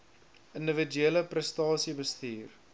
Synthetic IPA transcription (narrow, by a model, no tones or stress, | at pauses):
əndəvidyeələprəstɑːsibəstiːr